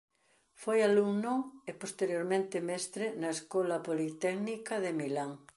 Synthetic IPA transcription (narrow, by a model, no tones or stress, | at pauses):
fojaluŋnoepost̪eɾjoɾmẽnt̪ɪmɛst̪ɾɪnɐeskolɐpolit̪ɛknikɐðemilaŋ